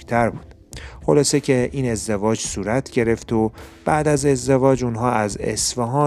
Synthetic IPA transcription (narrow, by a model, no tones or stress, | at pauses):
t̪ʰæɾbuːd̪̥ | xolɒːsecʰeʔiːne̞zd̪evɒːd͡ʒsuːɾæt̪ʰɟe̞ɾe̞ft̪ʰob̥æd̪æze̞zd̪evɒːd͡ʒunɦɒːæzḛsfɒɦɒː